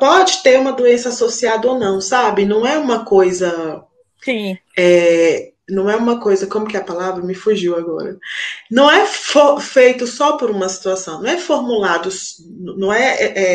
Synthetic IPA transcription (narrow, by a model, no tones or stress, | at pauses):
pɔd͡ʒɪt̪eɾũmɐd̪oẽsɐasosiad̪ɐonɐ̃w̃sabɪnɐ̃w̃ɛũmɐkojzɐ | sĩ | ɛ | nɐ̃w̃ɛũmɐkojzɐkõmʊkɪɐpalavɾɐmɪfuʒiwaɡɔ̰ɾɐ̰nɐ̃w̃ɛfofejt̪ʊsɔpoɾũmɐsi̥t̪uasɐ̃w̃nɐ̃w̃ɛfoɾmulad̪ʊs | nnɐ̃w̃ɛɛʔɛ